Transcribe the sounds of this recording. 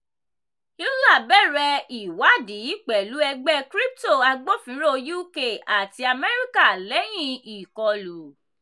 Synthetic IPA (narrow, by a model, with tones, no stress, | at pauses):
jo˦la˦˨bɛ˦˨ɾɛ˧i˨wa˨˦di˨˦k͡pɛ˨lu˨˦ɛ˧ɡ͡bɛ˦kɾi˦p̚to˦˨a˧ɡ͡bo˦fĩ˨˦ɾo˦ju˦ke˦˨ʔa˨ti˧a˧mɛ˦ɾi˦ka˦˨lɛ˨˦j̃ĩ˧i˨kɔ˨˧lu˨˦